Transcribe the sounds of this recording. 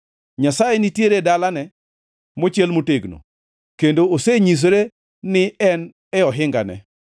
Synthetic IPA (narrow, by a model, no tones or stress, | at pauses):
ɲasajenɪtjeɾedalanɛ | mot͡ʃɪelmoteɡno̰ | kendooseɲis̬ɾe | nɪɛn | ɛɔɦɪŋɡa̰nɛ̰